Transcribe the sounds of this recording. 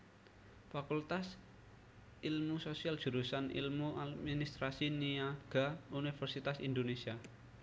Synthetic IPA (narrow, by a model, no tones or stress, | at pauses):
fakult̪as | ilmusosialdʒ̥ṳɾusanḭlmuʔad̪minist̪ɾasiniaɡ̥aunifərsit̪asind̪onesia